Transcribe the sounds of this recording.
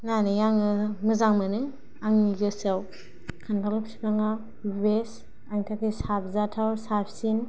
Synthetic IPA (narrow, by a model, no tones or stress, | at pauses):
nanɯjaŋɯmɯzaŋmɯnɯ | aŋiɡɯsaw | kʰandalupspaŋa | bes | aŋtʰakisabzatʰawɾsapʰsin